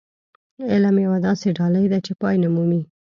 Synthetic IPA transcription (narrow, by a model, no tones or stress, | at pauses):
ɪlamjawad̪ɑseɖɑlajd̪at͡ʃepɑjnamumi